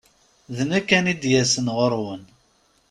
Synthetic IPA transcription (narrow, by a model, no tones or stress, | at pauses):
ðnækːænid̪jæsənʁəɾˤwən